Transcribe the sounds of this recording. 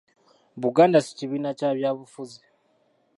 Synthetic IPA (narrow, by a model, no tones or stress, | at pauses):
βuɡaːndasi̥ciβiːnacaːβjaːβufuzi